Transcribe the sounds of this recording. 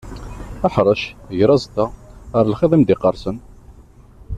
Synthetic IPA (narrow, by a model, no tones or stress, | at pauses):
æħɾˤəʃʝɾˤɑzt̪aəɾˤlχiðˤimd̪ɪqəɾˤsən